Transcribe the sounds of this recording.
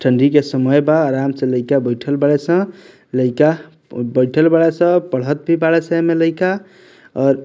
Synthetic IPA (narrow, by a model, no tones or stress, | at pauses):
ʈʰəɳɖikesəməjbaːɾamsə̃ləɪkabəɪʈʰəlbaɭesə̃ | ləɪka | bəɪʈʰəlbaɭesə̃pəɽ̤ɦət̪̚bʱibaɽesəmeləɪka | ɔɾ